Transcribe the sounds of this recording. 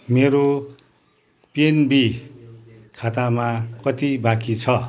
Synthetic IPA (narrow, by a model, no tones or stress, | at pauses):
meɾo | penbi | kʰat̪amakʌt̪ibakit͡sʰʌ